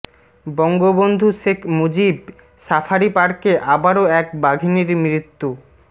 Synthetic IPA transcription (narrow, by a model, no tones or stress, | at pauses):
bɔŋɡobond̪ʱuʃekʰmod͡ʑib | safʰaɾipaɾkeʔabaɾoɛk̚baɡʱiniɾmɾit̪ːu